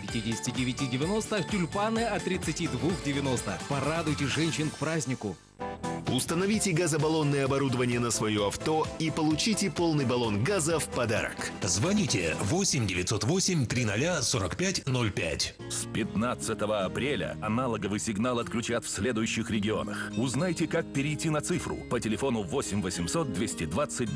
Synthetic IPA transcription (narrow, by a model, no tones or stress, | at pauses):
pʲɪtʲidʲɪsʲɪ̥tʲɪdʲɪvʲɪtʲidʲɪvʲɪno̞st̪əxtʲʊlʲpanɨɐt̪ɾʲɪt̪sɨtʲid̪vuxdʲɪvʲɪno̞st̪əxpɐɾad̪ʊjtʲɪʐɛnʲɕɪnkpɾazʲnʲɪkʊ | ʊst̪ənɐvʲitʲɪɡazəbɐlˠo̞nːɨjəɐbɐɾud̪əvənʲɪjənəsvɐjoɐft̪o̞ipəlˠʊt͡ɕitʲɪpo̞lˠnɨjbɐlˠo̞nɡazəfpɐd̪a̰ɾə̰kzvɐnʲitʲɪ̰vo̞sʲɪmʲdʲɪvʲɪt̪so̞t̪vo̞sʲɪmʲt̪ɾʲinɐlʲaso̞ɾəkpʲætʲno̞lʲpʲæ̰tʲ | spʲɪt̪nat̪sɨt̪əvəɐpɾʲelʲə̰ɐnalˠəɡəvɨjsʲɪɡnalˠɐt̪klʲʉt͡ɕat̪fsʲlʲed̪ʊjʊɕːɪxɾʲɪɡʲɪo̞̰nə̰xʊznajtʲɪkak̚pʲɪɾʲɪjtʲːinɐt̪sɨfɾʊ̰pətʲɪlʲɪfo̞nʊvosʲɪmʲvəsʲɪmsot̪̚d̪vʲesʲtʲɪd̪vat̪sɨt̚ʲ